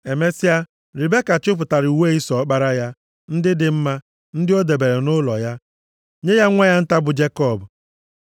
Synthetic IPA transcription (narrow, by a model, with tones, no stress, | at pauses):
e˨me˦si˦a˦ | ɾi˨be˦ka˨t͡ʃʊ˦p̬ʊ˨ta˨ɾi˨u˨we˦˨i˦sɔ˨˦k͡pa˦ɾa˦ja˦ | n̩˦dɪ˦dɪ˨m̩˦ma˦ | n̩˦dɪ˦o˦de˨be˨ɾe˨nʊ˦lɔ̰˨ja˦ | ɲe˦ja˦ŋʷa˦ja˦n̩˦ta˦bʊ˨d͡ʒe˦kɔ˦˨bʊ˨